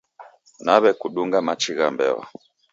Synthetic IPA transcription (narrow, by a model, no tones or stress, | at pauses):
naβɛkuɗuŋɡamat͡ʃiɣambɛ̰wɔ̰